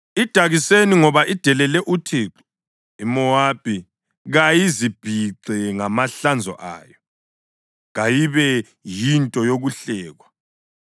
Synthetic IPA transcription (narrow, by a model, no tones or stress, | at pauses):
id̥ʱaɣiseniŋɔβaʔid̥ʱɛlɛlɛʔutʰiːǁɔ̥ | imɔaːb̥ʱi | ɣajizib̥ʱiǀɛŋamaɬand͡zʱɔ̰ʔa̰ːjɔ | ɣajiβɛ | jintʼɔjoɣuɬɛːɣwa